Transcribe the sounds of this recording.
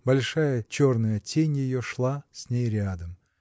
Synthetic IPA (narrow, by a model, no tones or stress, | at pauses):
bɐlʲʂajət͡ɕornəjətʲenʲjɪjoʂlˠasʲnʲejɾʲad̪əm